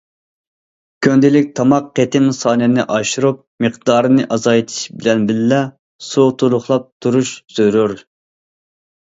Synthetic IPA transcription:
kʲʰønd̪ɪlɪk̚ʲt̪ʰɑmɑqːet̪ʰɪmsɑːnɨnɪʔɑʃuɾup̚mɨqd̪ɑːɾɨnɨʔɑzɑjt̪ʰi̥ʃbɪlɛnbɪlːɛ | sut̪ʰulˠʊχlˠɑp̚t̪ʰuɾuʃz̥øɾuɾ

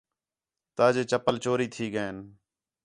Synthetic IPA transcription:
t̪aːd͡ʒeːt͡ʃəpəlt͡ʃoːɾiːt̪ʰiːɡəeːn

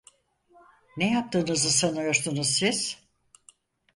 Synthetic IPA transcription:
nejap̚t̪ʰɯːnɯzɯsanɯjoɾsunuz̥siz̥

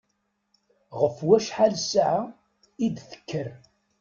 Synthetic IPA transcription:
ʁəfwæʃħalsʕa | id̪θə̥kːəɾ

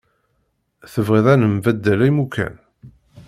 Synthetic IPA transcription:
θəvʁiðˤænəmvæd̪ːælæjmukʰæ̰n

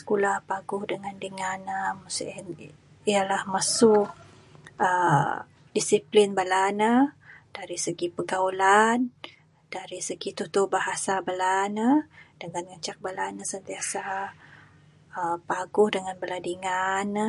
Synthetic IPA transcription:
sə̥kulahpaɡʊhdəŋandəŋanəmusn | ijalahmasu | ə | disiplinbalanəd̥aɾisəɡipəɡaulan | d̥aɾisəɡit̪uht̪ubaɦasabalanəd̥əŋanŋəɲt͡ʃak̚balanəsənt̪iasa | əpaɡʊhdəŋanbəladiŋanə

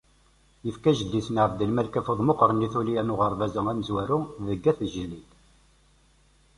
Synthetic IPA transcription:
jəfkæʒəd̪ːisnʕəfd̪əlmælkæfoðˤmoqɾˤəniθulijænʊʁəɾˤvæzəŋæməzwæɾʊðəɡːæθəʒəlːit̪

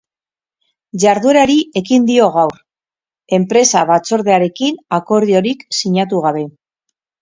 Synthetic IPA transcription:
ʝaɾðue̞ɾaɾiʔe̞kind̪io̞ɣ̞awɾ | e̞mpɾe̞saβat͡so̞ɾðe̞aɾe̞kinako̞ɾðio̞ɾiksiɲat̪̬uɣ̞aβe̞

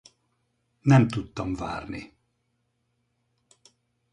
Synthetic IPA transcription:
nɛmt̪ut̪ːɒmva̰ːrni

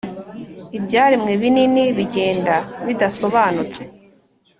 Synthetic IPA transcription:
ibɟaːɾimŋeβininiβiɟe̞ːndaβidaso̞βaːnut͡se̥

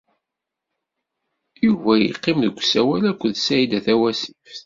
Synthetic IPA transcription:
juvæjḭqːɪmðəɡʷːsæwælækʷːəðsæjid̪æθæwæsif

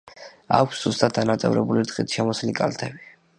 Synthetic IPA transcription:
a̰kʷʰsz̥ust̪ʼat̪̚dːanat̪sʼɛ̰vɾɛ̰buliɾd̪χʼit̪ʰʃɛmɔslikʼalt̪ʰɛbi

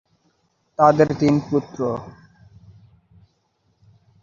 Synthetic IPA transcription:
t̪ad̪eɾt̪input̪ɾo

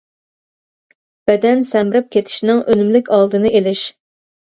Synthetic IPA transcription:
b̥ɛd̪ɛnsɛmɪɾɪp̚kʲʰet̪ʰɪ̥ʃnɪŋʔølymlɪkʲɑlˠd̪ɨnɨelɪʃ

